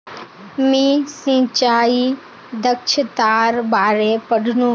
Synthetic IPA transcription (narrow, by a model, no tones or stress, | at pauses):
mĩsĩːt͡ʃaːi | d̪əkʃʰət̪aːɾbaːɾepəɽʱnũ